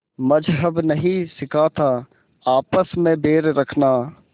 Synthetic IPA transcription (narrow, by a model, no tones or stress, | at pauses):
mɐd͡ʒɦəbnɐɦĩsɪkʰat̪ʰaː | aːpəsmẽbeːɾɾɐkʰnaː